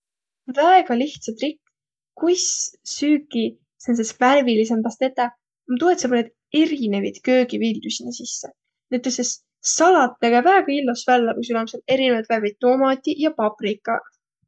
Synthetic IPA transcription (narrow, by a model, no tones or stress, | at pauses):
væeɡ̥ɑliht̪sɑt̪rikː | kujssyːkːˑi | sens̬esværvilis̬empɑst̪et̪ːˑɑ | mt̪uet̪sɑbuned̪ | e̞ɾine̞vid̪̥kø̞ːɡ̥ivild̪usinesisːe | net̪ːoses | sɑlɑt̪ːeɡ̥ɑvæeɡ̥ɑilːosvælːekus̬ylɑmset̪e̞ɾinevɑjt̪værvid̪̚t̪ːo̞ːmɑt̪ʲːˑiʔjɑpɑprikːˑɑ